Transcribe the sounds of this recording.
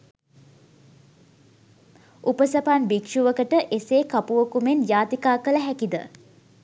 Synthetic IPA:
upəsapanbikʂuʋəkəʈəʔeseːkapuʋəkumenjaːt̪ikaːkələɦækid̪ə̰

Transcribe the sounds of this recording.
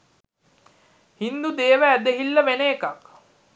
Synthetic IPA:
hind̪ud̪eːʋəːd̪eɦilːəʋenəːkak

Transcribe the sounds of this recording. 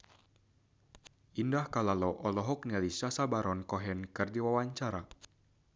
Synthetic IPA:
indahkalalɔʔɔlɔɦɔk̚nialisasabaɾʔɔnkɔɦɛnkɨrdiwawaɲt͡ʃaɾa

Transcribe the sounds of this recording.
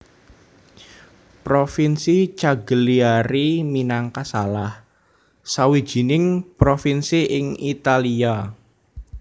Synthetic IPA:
pɾofinsit͡ʃaɡəliaɾiminaŋkasalah | sawi̥ʒ̥i̤nɪŋpɾofinsiʔɪŋit̪alia

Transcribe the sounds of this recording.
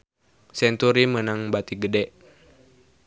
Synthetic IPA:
sɛnt̪uɾimənaŋbat̪iɡədɛʔ

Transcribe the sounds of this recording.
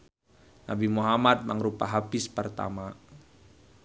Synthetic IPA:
nabimuɦamat̪̚maŋɾupaɦapɪspərt̪a̰ma

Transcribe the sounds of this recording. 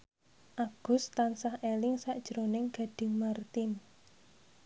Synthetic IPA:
ʔaɡ̥ʊ̤st̪ansahʔelɪŋsaʔd̥ʒ̥ɾonɪŋɡ̥a̤ɖ̥ɪ̤ŋmart̪ɪn

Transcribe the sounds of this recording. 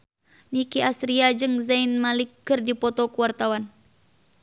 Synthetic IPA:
nikiʔast̪ɾiad͡ʒɨŋzainmalikːɨrdipɔt̪ɔkuwart̪awan

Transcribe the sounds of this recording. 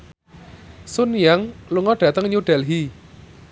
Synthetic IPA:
sunjaŋluŋɔɖ̥ä̤t̪əŋɲuɖ̥ɛlɦi

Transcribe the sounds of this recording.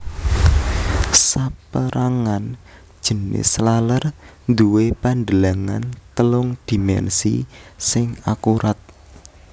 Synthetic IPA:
sapəɾʔaŋan | d̥ʒ̥ə̤nɪ̰slalərnd̪uwepand̪əlaŋa̰nt̪əlʊŋd̪̥i̤mɛ̰nsḭsɪŋakuɾʔat̪̚

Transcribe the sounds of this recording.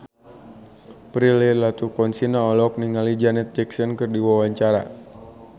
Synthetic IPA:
pɾilɛlat̪ukɔnsinaɔlɔk̚niŋalid͡ʒanɛt̪ːiksənkɨrdiwawaɲt͡ʃaɾa̰

